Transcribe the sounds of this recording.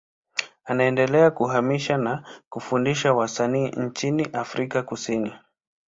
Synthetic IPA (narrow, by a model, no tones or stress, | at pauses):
anaɛndɛlɛakuɦamiʃanakufundiʃawasaniːn̩t͡ʃiniʔafɾikakusini